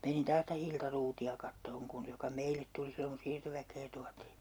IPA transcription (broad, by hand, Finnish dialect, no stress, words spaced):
menin tɑːs s̆ĭtæ hiltɑ ruːtiɑ kɑtːoːŋ kun jokɑ meilet tuli silːoŋ ku siːrtoʋækˑeː tuɑtiː